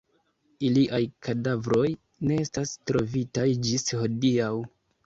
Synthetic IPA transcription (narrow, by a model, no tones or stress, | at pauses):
iliʔajkʰadavɾo̞j | ne̞e̞stastɾo̞vitajd͡ʒisho̞diaw